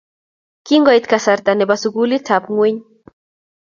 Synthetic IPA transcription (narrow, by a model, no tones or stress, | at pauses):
kiŋɡɔjt̪kasaɾt̪anebasuɡulit͡sʰapŋwiɲ